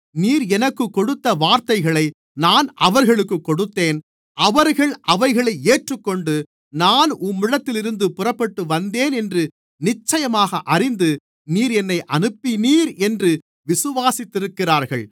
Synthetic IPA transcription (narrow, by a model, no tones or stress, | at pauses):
niːɾɛnɐkːɯkːɔɽɯt̪ːɐʋaːɾt̪ɐɪɣɐɭɐɪ | naːnɐʋɐɾɣɐɭɯkːɯkːɔɽɯt̪ːeːn | ʔɐʋɐɾɣɐɭʔɐʋɐɪɣɐɭɐɪeːʈrɯkːɔɳɖɯ | naːnʊmːɪɻɐt̪ːɪlɪɾɯnd̪ɯpʊrɐpːɐʈːɯʋɐnd̪eːnɛndrɯ | nɪt͡ʃːɐjɐmaːɣɐʔɐrɪnd̪ɯ | niːɾɛnːɐɪʔɐnɯpːɪniːɾɛndrɯ | ʋɪsɯʋaːsɪt̪ːɪɾɯkːɪraːɾɣɐɭ